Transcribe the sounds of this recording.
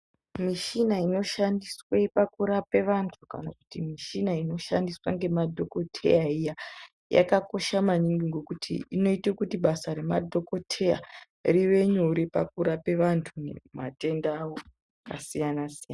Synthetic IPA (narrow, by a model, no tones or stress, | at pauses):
miʃinaino̞ʃandiswepakuɾape̞ʋantʰuka̰nakutimiʃinaino̞ʃandiswaŋɡe̞madʱo̞ko̞tʰe̞̰jaija | ja̰kako̞ʃamaɲiŋɡiŋɡokutʰḭːno̞itekutiɓasaɾe̞madʱo̞ko̞tʰe̞ja̰ | riʋe̞ɲoɾipakuɾape̞ʋantʰunḛmate̞ndaːwo | kasijanasijana